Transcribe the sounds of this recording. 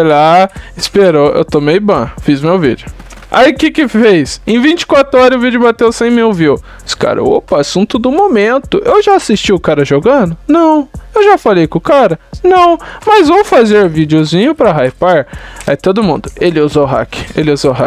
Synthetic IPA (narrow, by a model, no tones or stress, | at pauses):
olaɪspeɾoḛwt̪omejbɐ̃fizmewvḭd͡ʒʊ | a̰iʊkɪkɪfejsẽj̃vĩnt͡ʃɪ̥kwat̪ɾʊɔɾɐʊvid͡ʒʊbat̪ewsẽj̃miwvi | ska̰ɾɐ̰o̰pɐasũt̪ʊd̪ʊmomẽnt̪ʊʔewʒaasist͡ʃiʊkaɾɐʒoɡɐ̃d̪ʊnɐ̃w̃ewʒafalejkõʊkaɾɐnɐ̃w̃mɐzvowfazeɾvid͡ʒɪʊzĩɲʊpɾɐɦajpaɾait̪od̪ʊmũnd̪ʊelɪuzoɦa̰kɪ̥elɪuzoɦa